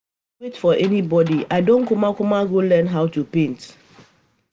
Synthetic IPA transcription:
wetfɔʔɛnibɔdiaɪdõnkumakumaɡolɛ̃nɦaʊtupẽnt

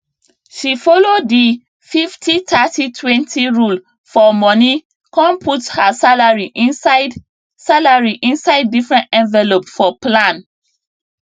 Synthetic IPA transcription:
ʃifɔlodi | fiftʰitʰatitʰwɛ̃ntʰiɹul | fɔmɔni | kɔ̃npʰuthasalaɹiʔĩnsaɪd | salaɹiʔĩnsaɪdːifɹɛ̃ntɛ̃nvɛlopfɔplãn

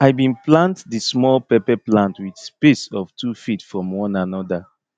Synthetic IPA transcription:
aɪbĩnplãntdismɔlpɛpɛplãntwidspisɔv̥tʰufitfɹɔ̃mwɔ̃nanɔda

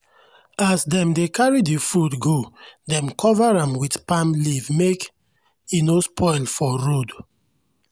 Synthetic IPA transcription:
asdɛ̃mdekaɹidifutɡodɛ̃mkʰɔvaɹãmwitpãmlivmek | inospʰɔɪlfɔɹod

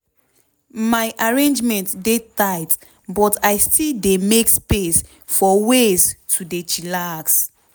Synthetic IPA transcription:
majʔaɹẽnd͡ʒmɛ̃ntdetajt | bɔtajstildemekspes | fɔweztʰudet͡ʃilaks

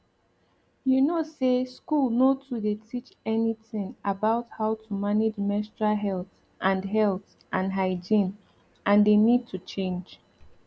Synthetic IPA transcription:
junoseskulˠnotʰudetʰit͡ʃɛniθɪ̃ŋʔabaʊthaʊtʰumaned͡ʒmɛstɹaɦɛlˠθ | ʔãnɦɛlˠθ | ʔãnɦaɪd͡ʒĩn | ʔãndenid̚tʰut͡ʃẽnd͡ʒ

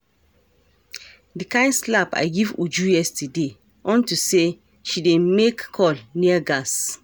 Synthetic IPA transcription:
dikãɪ̃nslapa̰ɪɡivud͡ʒujɛstide | ʔɔ̃ntuse | ʃidemekːʰɔlniaɡas

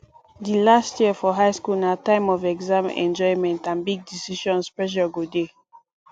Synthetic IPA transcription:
dilastʰjiəfɔɦaɪskulnatãɪ̃mɔvɛɡzãmɛ̰̃nd͡ʒɔɪmɛ̃ntãnbiɡ̚disiʃɔ̃nspɹɛʃ̬ɔɡode

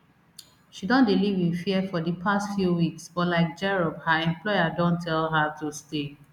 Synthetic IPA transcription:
ʃidɔ̃ndilivĩnfiɛfɔdipʰastfjuwiksbɔlaɪk̚d͡ʒɛɹɔbhaɛ̃mplɔɪjadõntʰɛlɦatuste

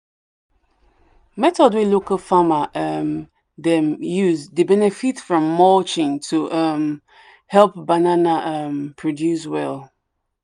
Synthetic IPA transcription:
mɛtɔdwilokəlfamaʔʌm | ðɛ̃mjuzdəbɛnɛfitfɹɔ̃mːɔlt͡ʃɪ̃ŋtʰuʔʌm | hɛlˠp̚bananaʔʌmpʰɹ̥ɔdjus̬wɛlˠ

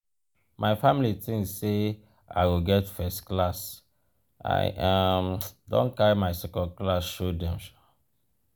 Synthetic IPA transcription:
maɪfamilitĩŋse | a̰ɪwilɡɛtfɛstklas | a̰ɪʔamdɔ̰̃nkaɹimaɪsɛkɔ̃nklasʃodɛ̃mʃɔ

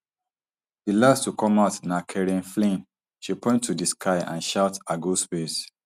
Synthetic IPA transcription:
dilastukʰɔ̃maʊtnakʰɛɹĩnflĩn | ʃipɔ̃ɪ̃ntʰːudiskʰaɪã̰nʃaʊtaɡuspes

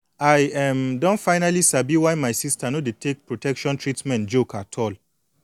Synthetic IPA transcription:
ajɛmdɔ̃nfaɪnalisabiwajmaɪsistanodetʰek̚pɹotʰɛkʃɔ̃ntɹitmɛ̃ntd͡ʒokatʰɔl

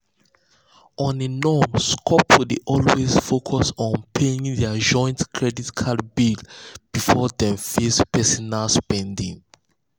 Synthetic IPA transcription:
ɔ̃ninɔmskʰɔpʰwudiʔɔlwesfokʰɔsɔ̃npʰeĩŋðɛad͡ʒɔ̃ɪ̃ntkʰɹɛditkʰalbiɡb̥ifɔdɛ̃mfespʰɛsɔnalspɛ̃ndĩŋ

